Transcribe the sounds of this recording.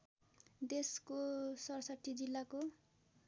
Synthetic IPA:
d̪eskosʌɾʌsaʈ̪ʰːid͡zilːako

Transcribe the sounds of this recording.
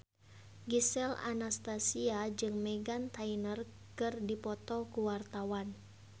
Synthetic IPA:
ɡisɛla̰nast̪asiad͡ʒɨŋmɛɡant̪ainər | kɨrdipɔt̪ɔkuwart̪awan

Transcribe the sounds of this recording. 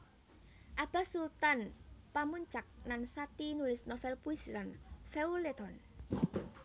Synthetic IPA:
ʔab̥a̤sult̪anpamuɲt͡ʃak̚nansat̪inulɪsnɔfɛlpuɪslanfeulet̪ɔn

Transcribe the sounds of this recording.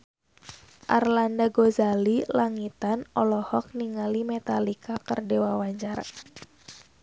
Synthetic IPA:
ʔa̰rlandaɡozalilaŋit̪anɔlɔhɔk̚niŋalimɛt̪alikakərdewawaɲd͡ʒaɾa̰

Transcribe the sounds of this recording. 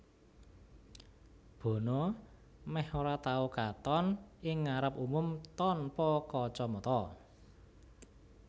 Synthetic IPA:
b̥o̤no | mɛhoɾat̪aukat̪ɔnɪŋːaɾəpumʊmt̪ɔnpɔkɔt͡ʃɔmɔt̪ɔ

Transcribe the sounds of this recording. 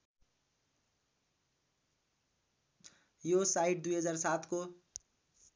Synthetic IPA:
josaiʈ̚d̪ujɦʌd͡zarsat̪ʰko

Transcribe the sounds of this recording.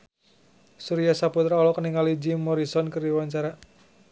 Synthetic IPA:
suɾiasaput̪ɾaɔlɔkəniŋalid͡ʒimːɔɾisɔnkɨrdiwaɲt͡ʃaɾa

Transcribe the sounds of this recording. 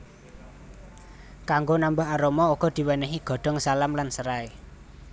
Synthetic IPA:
kaŋɡonambaɦaɾomɔuɡ̥ɔ̤d̪̥i̤wənəɦiɡ̥ɔ̤ɖ̪̥ɔ̤ŋsalamlansəɾae

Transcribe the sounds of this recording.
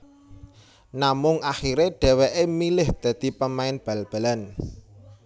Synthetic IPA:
namʊŋaxiɾeɖ̥ɛ̤weʔemilɪhd̪̥ä̤d̪̥i̤pəmaɪnb̥a̤lb̥a̤lan

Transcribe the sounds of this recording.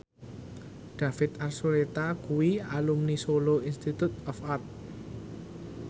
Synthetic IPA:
ɖ̥a̤fɪt̪arsuɾet̪akuwialumnisoloinst̪it̪ut̪̚ɔfart̪̚

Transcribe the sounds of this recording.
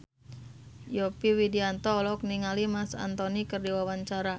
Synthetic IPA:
jɔpiwidiant̪ɔlɔk̚niŋalimasa̰nt̪ɔnikɨrdiwawaɲt͡ʃaɾa

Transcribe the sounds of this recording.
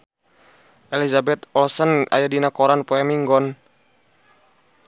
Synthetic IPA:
ʔɛlizabɛt̪ɔlsəna̰jadinakɔɾanpɔɛmiŋɡɔn

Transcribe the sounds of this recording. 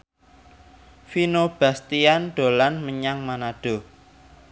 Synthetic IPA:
finob̥ä̤st̪ianɖ̪̥o̤lanməɲaŋmanaɖ̥o̤

